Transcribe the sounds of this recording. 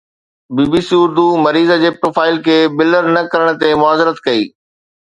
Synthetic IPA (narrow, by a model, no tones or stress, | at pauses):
biːbiːsiʊɾd̪umɐɾiːzəd͡ʑeːpɾoːfaːɪlkʰeːbɪləɾnɐkɐɾəɽ̃̆t̪emʊaːzɪɾət̪kɐiː